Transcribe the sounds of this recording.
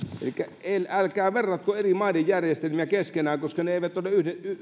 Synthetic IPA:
ḛlikːæelælkæːʋerːɑt̪̚koerimɑˑinejjærjest̪elmiækeskenæːŋkoskɑneeˑiʋæt̪olːeyhdey

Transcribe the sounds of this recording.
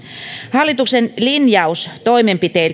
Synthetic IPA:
hɑlːit̪uksenlinjɑust̪oimempit̪eil

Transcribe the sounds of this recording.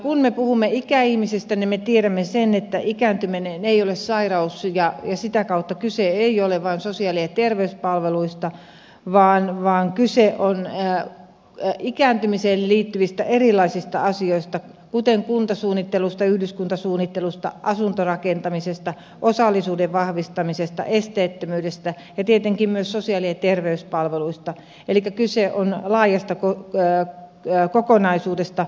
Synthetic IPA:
kunmepuhumːeikæihmisest̪ænimet̪ieɾæmːesenet̪ːæʔikæːnt̪ymineneiolessɑirɑusjɑjɑsit̪ækɑut̪ːɑkyseeioleʋʋɑːnsosiɑliɑt̪erʋeyspɑlʋeluist̪ɑ | ʋɑːnʋɑːŋkyseʔonː | ikæːnt̪ymiselliːt̪ːyʋist̪æʔerilˑːɑisist̪ɑ̰ɑsioist̪ɑ | kut̪eŋkunt̪ɑsuːnːit̪ːelust̪ɑyhdyskunt̪ɑsuːnːit̪ːelust̪ɑ̰ʔɑsunt̪orɑkent̪ɑmisest̪ɑ | ʔosɑlːisuːdeʋʋɑhʋist̪ɑmisest̪ɑ̰ʔest̪eːt̪ːømyːdest̪æ | jɑt̪iet̪eŋkimmyøssosiɑliet̪erʋeyspɑlʋeluist̪ɑ | elikːˑækyseʔonlɑːjɑst̪ɑko | kokonɑisuːdest̪ɑ

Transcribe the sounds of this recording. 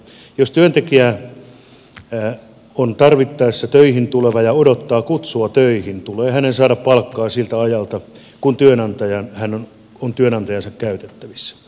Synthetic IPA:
jost̪yønt̪ekiæ | ont̪ɑrʋit̪ːɑesːɑt̪øihint̪uleʋɑjɑodot̪ːɑːkut̪suɑt̪øihint̪uleːhænensɑːdɑppɑlkːɑːsilt̪æɑjɑlt̪ɑ | kunt̪yønɑnt̪ɑjɑnhænon | ont̪yønɑnt̪ɑjɑnsɑkkæyt̪e̥t̪ːæʋisːæ̥

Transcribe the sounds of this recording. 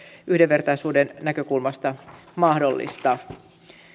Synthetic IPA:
ʔyhdeʋʋe̞rt̪ɑisuːdennækø̞kulmɑst̪ɑ | mɑhdo̞lːḭst̪ɑ

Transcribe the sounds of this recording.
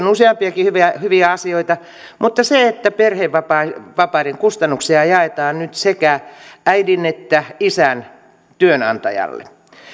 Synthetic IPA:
onuseɑmpiɑkihyʋæhyʋiæɑsioit̪ɑ | mut̪ːɑseet̪ːæperheʋʋɑpɑʋɑpɑreŋkust̪ɑnːuksiɑjɑet̪ɑːnnyt̪sekææidinet̪ːæisæn | t̪yønɑ̰nt̪ɑ̰jɑ̰lːḛ

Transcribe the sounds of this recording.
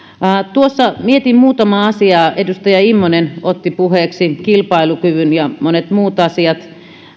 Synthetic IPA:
t̪uosːɑmiet̪immuːt̪ɑmɑːɑsiɑːedust̪ɑjɑimːonenot̪ːipuheːksikilpɑilukyʋynjɑmonet̪muːt̪ɑsiɑt̪

